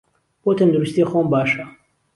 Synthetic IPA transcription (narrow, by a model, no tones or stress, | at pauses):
b̥oːt̪ʰɐnd̪uɾust̪ixoːmbaːʃɐ